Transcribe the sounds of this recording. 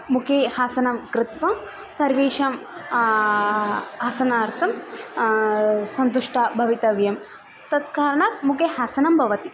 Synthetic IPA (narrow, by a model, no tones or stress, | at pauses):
mukʰehaːsɐnɐmkɾɪt̪ʋɐm | sɐɾʋeːʃɐm | ɦɐsɐnaːɾt̪ʰɐm | sɐnt̪uʂʈɐbʱɐʋit̪ɐʋjɐm | t̪ɐt̪̚kaːɾɐɳaːt̪̚mukeɦaːsɐnɐmbʱɐʋɐt̪i